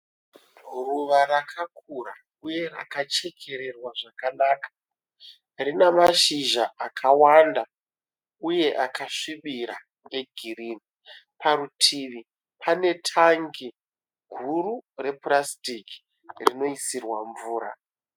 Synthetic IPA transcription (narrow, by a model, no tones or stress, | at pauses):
ruʋaɾakʰakʰura̰ | uje̞ra̰kat͡ʃe̞kʰe̞ɾe̞rwaʐakanaːkḁ | rinamaʃiʒaakʰawanda | uje̞ʔakaʂiɓiɾa | ŋɡe̞ɡʱiriːni | pʰaɾutʰiːʋi | pʰane̞tʰaŋɡi | ɡʱurure̞purastiki̥ | rino̞isirwaɱvuːɾa̰